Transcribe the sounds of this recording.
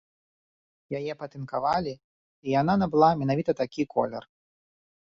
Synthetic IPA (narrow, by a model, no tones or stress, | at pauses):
jajɛpɐt̪ɨnkavalʲi | ijananɐbɨlˠamʲɛnavʲit̪ɐt̪akʲikʰɔ̰lʲɛ̰r